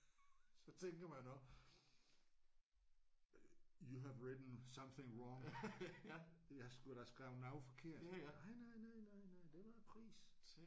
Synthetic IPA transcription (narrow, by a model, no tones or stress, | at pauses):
sɒ̽t͡sʰeŋɡ̥ɐmænɔɡ̥ | juɦæʋɹed̥n̩sʌ̃mθẽŋɹɒŋ | jasɡ̥uɾɑsɡ̥ʁaʊnaʊfɒkʰe̝ɐ̰dnɑɪnaɪnaɪnaɪnaɪd̥eʋɑpʰʁḭːs